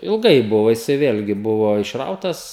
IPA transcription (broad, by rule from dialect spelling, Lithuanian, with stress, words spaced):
ɪlˠˈɡɐɪ ˈbʊʋoː jɪˈsɐɪ ˈʋʲeːlʲɡʲɪ ˈbʊʋoː ɪʃˈrɐʊtɐs